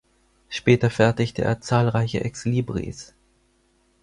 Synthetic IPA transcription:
ʃpɛːtɐfɛɐtɪçtəʔḛːɐt͡saːlʁaɪçəʔɛksliːbʁḭːs

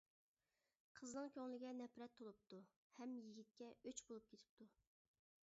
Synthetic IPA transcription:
qʰəznɨŋkʲʰøŋlɪɡʲɛnɛpɾɛt̪ʰːolˠup̚t̪u | hɛmjiɡʲit̪̚kʲɛøt͡ʃbolˠup̚kʰʲet̪ʰɪ̥p̚t̪ʰu

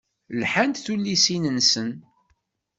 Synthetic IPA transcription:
lħant̪θulːisinənsən

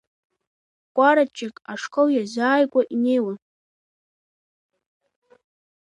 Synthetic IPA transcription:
kʷʼaɾat͡ʃʼɪkʼaʂkʼoljazaːjkʷʼaʔinejwan

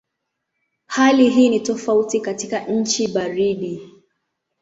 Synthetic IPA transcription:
haliɦiːnitɔfautikatikaɲ̩t͡ʃiɓaɾiɗi

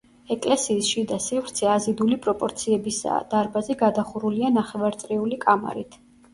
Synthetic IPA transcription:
ɛkʼlɛsiːsʃid̪asivɾt̪sʰɛazid̪ulipʼɾɔpʼɔɾt̪sʰiɛbisa̰d̪̥aɾbazɛɡad̪aχuɾulianaχɛvaɾt̪sʼɾiulikʼama̰ɾit̪ʰ

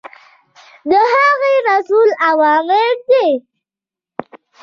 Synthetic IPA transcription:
d̪əɦaɣeɾasulawɑmemd̪e

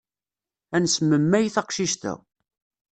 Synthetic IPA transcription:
ænsmːəmːæjiθɑqʃiʃt̪æ̰

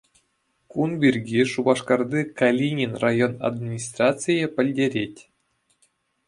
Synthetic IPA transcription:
kunbʲirʲɡʲiʂubɑʂkɑrd̪ʲikalʲinʲinrajona̰d̪mʲinʲis̬t̪rat͡sɨjĕpʲɘ̆lʲdʲeɾʲetʲ

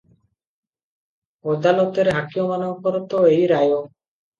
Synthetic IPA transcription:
ɔd̪alot̪eɾɦakiomanobkoɾot̪oejɾajo

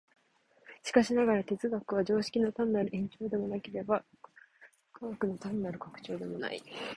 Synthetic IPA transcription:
ɕi̥kaɕinaɡaɾat̪e̞t͡sɨɡakɯ̟β̞ad͡ʑo̞ːɕi̥kʲinot̪aminaɾɯ̟ẽ̞ɲ̟t͡ɕo̞ːd̪e̞mo̞nake̞ɾe̞ba | kaɡakɯ̟not̪amʲinaɾɯ̟kakɯ̥t͡ɕo̞ːd̪e̞mo̞na̰ḭ

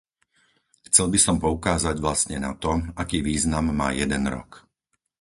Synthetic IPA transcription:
xt͡sɛlbisɔmpɔukaːzaɟʋlast̪ɲɛnat̪ɔakiːʋiːznamːa̰ːjɛd̪ɛnɾɔ̰k

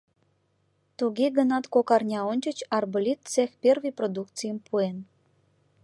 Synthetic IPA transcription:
t̪uɣeɡənɑt̪kokɑrnʲɑonʲt͡ɕə̆t͡ɕɑrbəlʲit̪̚t͡sexpʲerviprod̪ukt͡sijəmpʰuen

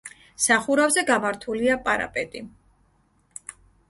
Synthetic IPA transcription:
saχuɾavzɛɡamaɾt̪ʰuliapʼaɾa̰pʼɛt̪ʼi

